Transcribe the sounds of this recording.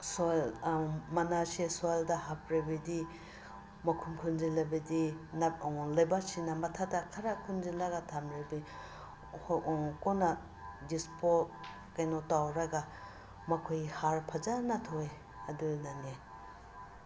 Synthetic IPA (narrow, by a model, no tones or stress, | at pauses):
solmɐnasesojldɐɦap̚ɾibidi | mɐkʰumkʰunzilɐbidinlajbasinɐmɐtʰadakʰaɾakʰunzinlaɡatʰamɾibi | kona | dispot̚ | kajnotawɾɐɡa | mɐkʰojhaɾpʰɐzanatʰoe | ɐdunane